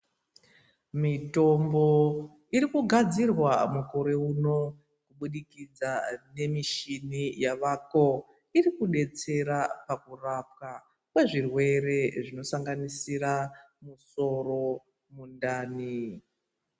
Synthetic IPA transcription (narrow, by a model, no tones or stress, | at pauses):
mito̞mbo̞ | iɾikuɡʱad͡zirwamuko̞ɾe̞uno̞ | kuɓuɗikid͡zane̞miʃinijaʋako̞ | irikuɗe̞t͡se̞ɾapakurap̚ka | kwe̞ʐirwe̞ɾe̞ʐino̞saŋɡanisiɾa | muso̞ro̞ | mundaːni